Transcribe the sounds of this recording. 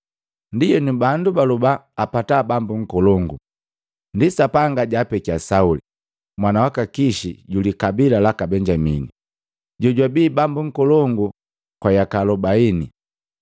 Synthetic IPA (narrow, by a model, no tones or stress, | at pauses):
ndijɛnubandubalubaːpatabambuŋ̩kɔlɔŋɡu | ndisapaŋɡaɟaːpɛkiasauli | mwanawakakiʃiɟulikabilalakabɛɲd͡ʒamini | ɟɔɟwabiːbambuŋ̩kɔlɔŋɡu | kwajakalɔbaini